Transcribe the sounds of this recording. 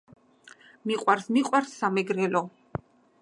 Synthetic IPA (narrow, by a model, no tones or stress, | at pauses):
miqʼwaɾsmiqʼwaɾsːamɛɡɾɛlɔ